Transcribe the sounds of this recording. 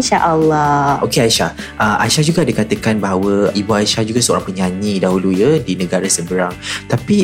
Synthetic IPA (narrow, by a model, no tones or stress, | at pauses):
nʃaʔalːɔʔokeajʃahʔəma̰ʃahd͡ʒuɡaːdəkat̪əkanbaɦawəibuaʃahd͡ʒuɡasəo̰ɾãŋpəɲãɲĩdaɦulujədinə̃ɡaɾasəbəɾaŋt̪api